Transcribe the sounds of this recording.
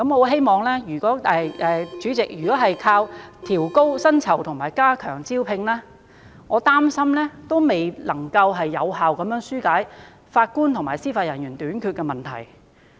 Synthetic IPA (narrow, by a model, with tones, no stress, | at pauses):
kɐ˨˥mɔ˨˧ɦe˥jmɔː˨ŋlɛː˥jyː˨˩kʷɔː˨˥ɛː˨˧ʔɛː˨˧t͡ʃyː˨˥t͡sɪ˨k̚jyː˨kɔː˨˥ɦɐ˨jkʰaː˧wt̪ʰiː˨˩wko˥wsɐ˥nt͡sʰɐ˨˩wt̪ʰʊ˨˩ŋmaː˨˩jkaː˥kʰœː˨˩ŋt͡siː˥wpʰɪ˧ŋlɛː˥ | ŋɔː˨˧t̪aː˥msɐ˥mlɛː˥t̪o˥wme˨jlɐ˨˩ŋkɐ˧wɦɐ˨jːɐ˨˧wɦaː˨wkɐ˨˦mjœː˨˥ŋsyː˥kaː˨˥j | faː˧t̚kuː˥nt̪ʰʊ˨˩ŋmaː˨˩jsiː˥faː˧t̚jɐ˨˩njyː˨˩nt̪yː˨˥nkʰyː˧t̚kɛ˧mɐ˨˩nt̪ʰɐ̰˨˩j